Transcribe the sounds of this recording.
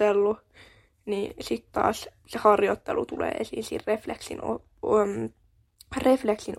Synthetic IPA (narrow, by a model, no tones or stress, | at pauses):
elːu | niːsit̪t̪ɑ̰ːs | sehɑrjot̪ːelut̪ulḛːesḭːnsḭrrefleksḭno̰ | m | refleksin